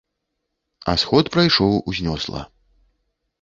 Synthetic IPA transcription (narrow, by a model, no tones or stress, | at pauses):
ɐ̰sxɔt̪pɾajʂɔwuzʲnʲɔslˠɐ̰